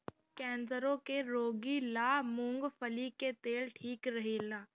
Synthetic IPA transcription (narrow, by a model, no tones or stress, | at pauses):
kɛ̃ːnsəɾõkeɾoːɡilaːmʊ̃ŋɡfʰəliket̪eːlʈʰiːkɾɐɦeːlaː